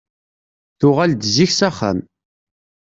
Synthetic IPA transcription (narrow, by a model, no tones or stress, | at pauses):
θʊʁald̪ziçsæχæ̰m